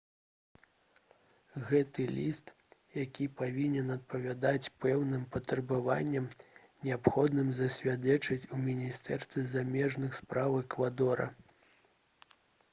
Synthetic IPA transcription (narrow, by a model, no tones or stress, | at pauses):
ɣɛt̪ɨlʲist̪ | jakʲipavʲinʲɛnɐt̪̚pɐvʲad̪at͡sʲpɛwnɨmpɐt̪ɾɐbɨvanʲːɛm | nʲɛapxɔd̪nɨmzɐsʲvʲad̪ɛt͡ʂɐt͡sʲumʲinʲist̪ɛrst̪ʲvʲɛzamʲɛʐnɨxspɾavɨkvad̪ɔɾɐ̰